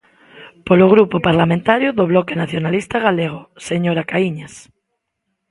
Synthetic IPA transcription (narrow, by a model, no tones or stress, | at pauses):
poloɣɾupopaɾlamẽnt̪aɾjoðoβlɔkenaθjonalist̪aɣ̞aleɣ̞oseɲoɾakaiɲas